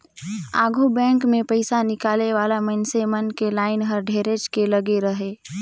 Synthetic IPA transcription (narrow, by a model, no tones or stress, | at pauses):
aːɡʱubɛ̃ːŋkmẽpəɪsanɪkaːleʋaːlamənsemənkelaːɪnɦəɾɖʱeːɾed͡ʒkeləɡeɾəɦeː